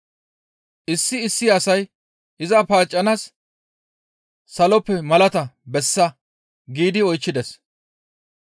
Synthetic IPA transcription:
ʔɪsːɪɪsːɪɐsɐj | ʔɪzɐpaːt͡ʃʼːɐnas | ɐlɔpːɛmɐlɐt̪ɐbɛsːɐ | ɡiːd̪ɪɔjt͡ʃːɪd̪ɛs

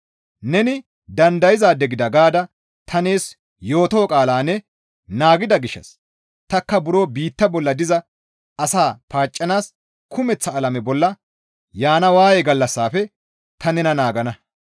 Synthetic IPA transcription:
nɛnɪ | d̪ɐnd̪ɐjɪzaːd̪ɛɡɪd̪ɐɡaːd̪ɐ | t̪ʰɐneːs | jo̞ːt̪oːkʼaːlaːnːɛ | naːɡɪd̪ɐɡɪʃːɐ̰s | t̪ɐkːɐbʊɾo̞ːbiːt̪ːɐbɔlːɐd̪ɪzɐ | ɐsaːpaːt͡ʃʼːɐnaːs | kʰʊmɛt͡sːɐːlɐmɛbɔlːɐ | jaːnɐwaːjɛɡɐlːɐsːaːfɛ | t̪ʰɐnɛnɐnaːɡɐnɐ

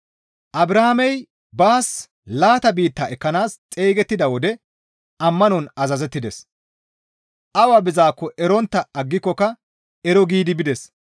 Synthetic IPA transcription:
ʔɐbɾɐhamɛj | baːs | laːt̪ɐbiːt̪ːɐʔɛkːɐnaːst͡sʼeːɡɛt̪ːɪd̪ɐwɔd̪ɛ | ʔɐmːɐnɔnɐzɐzɛt̪ːɪd̪ɛs | ʔɐwaːbɪzaːkːɔʔɛɾɔnt̪ːɐɐɡːɪkːɔkɐ | ɛɾɔɡiːd̪ɪbɪd̪ɛs

